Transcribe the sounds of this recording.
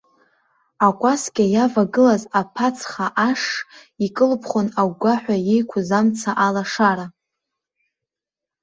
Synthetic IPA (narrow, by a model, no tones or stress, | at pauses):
akʷʼaskʲʼajavaɡɨlazapʰat͡sʰʼχaʔaʂikʼɨlpʰχʷonaɡʷaħʷᶣajejkʷʰʊzamt͡sʰaʔalaʂaɾa